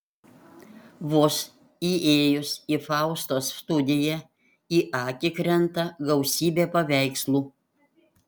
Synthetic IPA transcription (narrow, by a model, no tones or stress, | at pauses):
ʋʊs | iʔeːjʊsiːfɑˑʊst̪oːsst̪ʊd̪ʲɪjɛ | iːʔɑːkʲɪkɾʲɛnt̪ɐɡɐʊsʲiːbʲeːpɐʋʲæˑɪkslˠuː